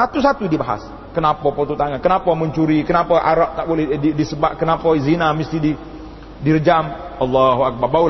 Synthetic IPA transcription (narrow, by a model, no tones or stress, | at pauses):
sat̪us̬at̪udibaɦa̰s | kənapapot̪ut̪aŋankənapaməɲt͡ʃuɾikənapaʔa̰ɾaʔ̚t̪aʔbolɛhidisəbaʔkənapazinamist̪idi | dirəd͡ʒamʔɑlːaɦuak̚barbal